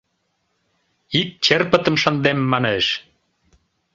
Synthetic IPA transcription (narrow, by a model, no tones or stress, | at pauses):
ik̚t͡ɕerpə̆t̪ə̆mʃənd̪emːɑneʃ